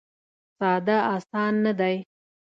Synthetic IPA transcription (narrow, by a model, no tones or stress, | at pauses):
sɑd̪aɑsɑnːad̪aj